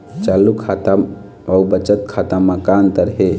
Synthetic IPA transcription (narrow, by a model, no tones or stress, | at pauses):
t͡ʃalukʰat̪a | aubət͡ʃət̪kʰat̪aməkaːnt̪əɾɦe